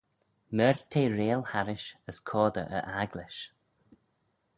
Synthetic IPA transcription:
mɛɹt̪ʰeːɹeːlhaɾɪʃəskʰɔːd̪əʔə̰ʔaɡlɪʃ

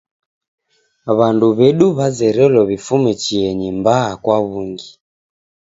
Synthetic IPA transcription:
βanduβɛɗuβazɛɾɛlɔβifumɛt͡ʃiɛɲimbaːkwaβuŋɡi

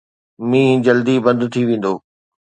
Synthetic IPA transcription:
mĩːd͡ʑɐld̪ibɐ̃nd̪t̪ʰiʋẽːn̆d̪oː

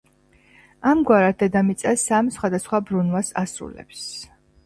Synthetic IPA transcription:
amɡwaɾat̪̚d̪ɛd̪amit̪sʼasamsχwad̪asχwabɾunwasasɾṵlɛ̰ps

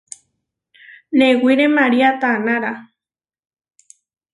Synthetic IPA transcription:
newiɾemaɾiat̪anaɾa

